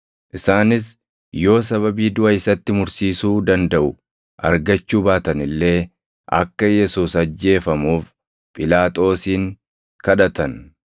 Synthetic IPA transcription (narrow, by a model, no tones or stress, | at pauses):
ʔɪsaːnɪs̬ | jo̞ːs̬ɐβɐbiːd̪ʊʔɐɪsɐt̪ːɪmʊɾsiːsuːd̪ɐnd̪ɐʔʊ | ʔɐ̰ɾɡɐt͡ʃːuːbaːt̪ɐnɪlːe̞ː | ʔɐ̰kːɐjɛsuːsɐd͡ʒːe̞ːfɐmuːf | pʼɪlaːt̪ʼo̞ːsiːŋ | kɐᶑɐt̪ɐn